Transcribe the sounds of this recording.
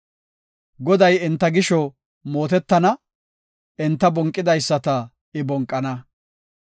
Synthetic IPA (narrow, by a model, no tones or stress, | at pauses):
ɡɔd̪ɐjɛnt̪ːɐɡɪʃɔ | mo̞ːt̪ɛt̪ːɐnɐ | ʔɛnt̪ːɐbɔŋkʼːɪd̪ɐjsːɐt̪ɐ | ɪbɔŋkʼːɐnɐ